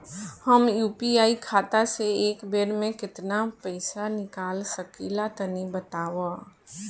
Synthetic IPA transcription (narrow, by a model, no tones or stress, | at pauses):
həmjuːpiaːikʰaːt̪aseeːkbeːɾmẽkɪt̪napəɪsanɪkaːlsəkilat̪ənibət̪aːwa